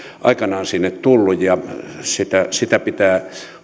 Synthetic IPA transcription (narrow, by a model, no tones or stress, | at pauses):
ʔɑ̰ˑikɑnɑonsinːet̪t̪ulːujjɑsit̪æsit̪æpit̪æː